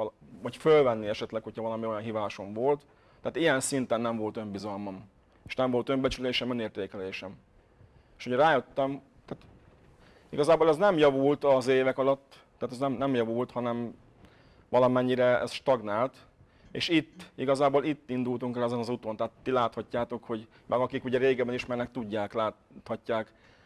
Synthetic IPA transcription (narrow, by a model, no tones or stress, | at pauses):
vɒcfølvɛnːiɛʃɛt̪lɛkho̞chɒvɒlɒmio̞jɒnɦivaːʃo̞ɱvo̞lt̪ː | ɛaːt̪ijɛnsint̪ɛnːɛɱvo̞lt̪ø̞mbizɒlmɒm | eːʃnɛmvo̞lt̪ø̞mbɛt͡ʃyleːʃɛmøneːrt̪eːkɛleːʃɛm | eːʃoɟɛɾaːjøt̪ːɛm | t̪aːt̪ | ḭɡɒzaːboːlɛznɛmjɒvult̪ɒzeːvɛkɒlɒt̪ːɛːt̪ɛznɛmnɛmjɒvult̪hɒnɛm | vɒlɒmɛɲːiɾɛɛ̰sʃt̪ɒɡnaːlt̪ | ḛːʃit̪ːiɡɒzaːbolit̪ːind̪ult̪uŋkɛlɛzɛnɒzut̪o̞nt̪ɛɦːt̪ːilaːt̪hɒcːaːt̪o̞kho̞ɟ | mʔɛɡɒkikuɟɛɾeːɡɛbɛniʃmɛrnɛk̚t̪uɟːaːklaː | t̪hɒcːaːk